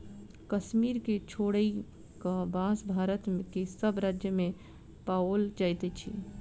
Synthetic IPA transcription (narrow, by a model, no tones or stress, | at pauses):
kəʃmiɾket͡ʃʰoɽəi | kabãsbʱaɾət̪mekesəbɾad͡ʒjəme | paold͡ʒajt̪ɛt͡ʃʰḭ